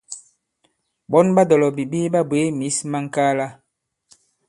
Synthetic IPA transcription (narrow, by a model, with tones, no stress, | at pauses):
bɔ˦nba˦dɔ˨lɔ˨bi˨bi˦ba˦bwe˨˦mi˨˦sma˦ŋ˦ka˦la˦